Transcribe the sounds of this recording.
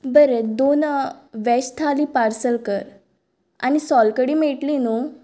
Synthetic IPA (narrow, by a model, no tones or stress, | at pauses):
bəɾed̪onʋɛɕt̪ʰalipaɾsəlkəɾ | a̰nisɔlkəɽiːmeʈlinu